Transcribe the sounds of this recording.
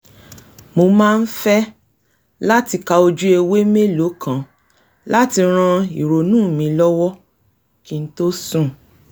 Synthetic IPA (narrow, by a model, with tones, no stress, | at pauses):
mo˧mãː˦˧n̩˦fɛ˦ | la˦ti˧ka˧o˧d͡ʒu˦e˧we˦me˦˨lo˨˦kʰã˨ | la˦ti˧ɾ̃ã˧i˨ɾo˨nũː˦˨mĩ˧lɔ˦wɔ˦ | ki˧n̩˦to˦sũ˦˨